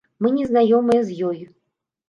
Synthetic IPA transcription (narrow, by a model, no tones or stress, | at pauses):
mɨnʲɛznajɔmɨjɛzjɔju